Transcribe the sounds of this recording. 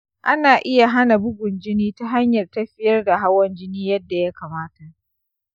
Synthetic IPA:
ʔa˦naː˨ʔɪ˦ja˨ɦa˦na˨bʊ˦ɡʷʊ˨nd͡ʒɪ˦niː˦ta˦ɦa˦ɲjɐ˨rtɐ˦ɸɪ˦jɐ˦rda˨ɦa˦wɐ˦nd͡ʒɪ˦niː˦jɐ˦dːa˨ja˦kaː˨maː˦ta˨ʔ

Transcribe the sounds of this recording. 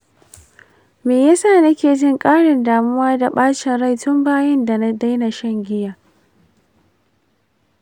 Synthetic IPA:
meː˨ja˦saː˦˨nɐ˦kʲeː˨d͡ʒɪ˦ŋkʼaː˦ɽɪ˨ndaː˨mʊ˦waː˦da˨ɓaː˦t͡ʃɪ˨nɽa˦˨jtʊ˦mbaː˦jɐ˦nda˨na˦da˦jna˨ʃɐ˦˨ŋɡʲɪ˦jaː˨

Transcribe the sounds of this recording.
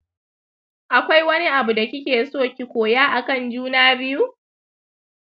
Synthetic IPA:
ʔa˨kʷa˦jwɐ˦ni˦ʔa˨bu˨da˨kʲɪ˦kʲeː˨soː˦˨kʲi˨kʷoː˨jaː˦ʔa˨kɐ˦˨nd͡ʒuː˦naː˦bɪ˦ju˦

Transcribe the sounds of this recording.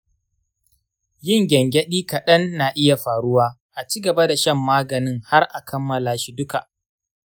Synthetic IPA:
jɪ˦˨ŋɡʲɛ˨ŋɡʲɛ˦ɗiː˦kɐ˨ɗɐ˦nːa˨ʔɪ˦ja˨ɸaː˨ɽʊ˦waː˦ | ʔa˨t͡ʃiː˦ɡɐ˨ba˦da˨ʃɐ˦mːaː˦ɡɐ˨nɪ˦ŋha˦rʔa˨kʰɐ˦mːɐ˨laː˨ʃi˦dʊ˦ka˨ʔ

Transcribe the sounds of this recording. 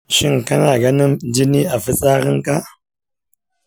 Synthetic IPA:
ʃi˦ŋka˦na˨ɡa˦ni˦md͡ʒi˦ni˦a˨fi˦t͡sʼa˦ɣi˦ŋka˦

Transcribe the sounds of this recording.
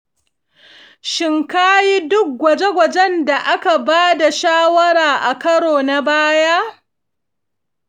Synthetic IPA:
ʃɪ˨ŋkaː˦ji˦dʊ˦k̚ɡʷɐ˨d͡ʒe˦ɡʷɐ˨d͡ʒɛ˦nda˨ʔa˦ka˨baː˦da˨ʃaː˦wɐ˦ɽaː˨ʔa˨kɐ˦ɽoː˨na˦˨baː˦ja˦

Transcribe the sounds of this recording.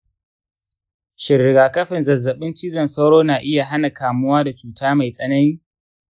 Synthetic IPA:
ʃɪ˨ɾɪ˨ɡaː˨kɐ˦ɸɪ˨nzɐ˨zːɐ˨ɓɪ˦nt͡ʃiː˦zɐ˨nsɐ˦wɽoː˦naː˨ʔɪ˦ja˨ɦa˦na˨kaː˨mʊ˦waː˦da˨t͡ʃuː˨taː˦ma˨jsʼɐ˦nɐ˦niː˦

